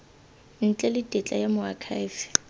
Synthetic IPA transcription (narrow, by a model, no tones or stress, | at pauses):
n̩t͡ɬʼɛlɪtʼɛt͡ɬʼajamʊakʰajvɪ